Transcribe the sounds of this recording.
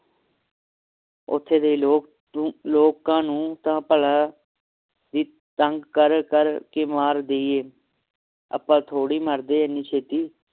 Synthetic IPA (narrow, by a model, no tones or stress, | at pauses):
ʊ̰t̪ʰːeːd̪eːloː | loːkãːnũːt̪ãːpəlãː | d̪iː | t̪əŋɡkəɾkəɾkeːmaːɾd̪eːieː | ə̰pːãːt̪ʰoːɽiːməɾd̪eːənːiːt͡ʃʰeːt̪iː